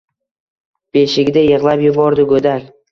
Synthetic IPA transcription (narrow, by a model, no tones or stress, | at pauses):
b̥eʃɪɡʲd̪ajɨʁlˠapjɪbɒɾd̪ɪɡɵd̪alʲ